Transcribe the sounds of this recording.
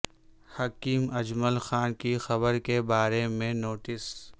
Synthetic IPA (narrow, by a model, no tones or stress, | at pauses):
hɐkiːmɐd͡ʒməlxaːnkixɐbəɾkebaːɾemẽnoːʈɪs